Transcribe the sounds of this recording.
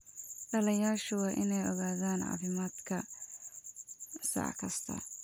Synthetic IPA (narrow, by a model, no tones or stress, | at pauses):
ɖɐlɐjaːʃʊwɑːʔɪnɛjɔɣaːðaːnʕɑ̰ːfɪmaːd̪kʰɐ | sɑ̰ʕkʰɐst̪ʰɐ̰